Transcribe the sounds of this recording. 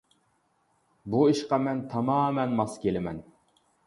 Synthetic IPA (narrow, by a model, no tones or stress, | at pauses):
buiʃqɑmɛnt̪ʰɑmɑːmɛnmɑskʲelɪmɛn